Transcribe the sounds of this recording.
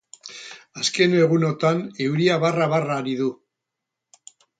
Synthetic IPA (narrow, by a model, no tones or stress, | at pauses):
aske̞ne̞ɣuno̞t̪anewɾiaβaraβaraɾiðu